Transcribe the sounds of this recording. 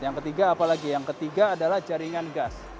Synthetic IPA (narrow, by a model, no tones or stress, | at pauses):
jaŋkət̪iɡaːpalaɡijaŋkət̪iɡaːdalahd͡ʒaɾiŋanɡas